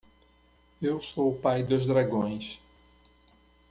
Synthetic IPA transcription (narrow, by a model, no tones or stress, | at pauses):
ewsoʊpajd̪ʊzd̪ɾaɡõj̃s